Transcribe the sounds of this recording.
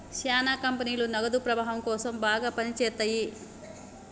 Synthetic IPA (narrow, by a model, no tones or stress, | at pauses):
ʃaːnaːkɐmpɐniːlunɐɡɐd̪upɾɐbaːɦɐmkɔːsɐmbaːɡaːpɐnit͡ʃɛːt̪aji